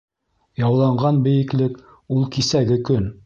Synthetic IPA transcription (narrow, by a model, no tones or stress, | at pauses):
jɑwlˠɑɴɢɑnbɘ̆jɘ̆klɘk | ulˠkisæɡɘkɵn